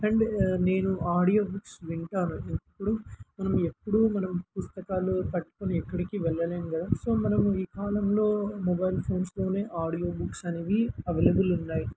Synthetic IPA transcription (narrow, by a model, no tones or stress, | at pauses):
ɛɳɖne̞ːnuaːɽijo̞ːbuksʋiɳʈaːnuiŋkɐpːuɽumɐnɐme̞pːuɽumɐnɐmpust̪ɐkaːlup̪ɐʈːu̥koniɛkːɐɽikiʋɛɭːɐleːnukɐd̪aːso̞ːmɐnɐmuiːkaːlɐmlo̞ːmɔbɐjlpʰo̞ːnslo̞ːne̞ːʔaːɽijo̞ːbuksɐneːʋiɐʋeːlɐbulunːaːji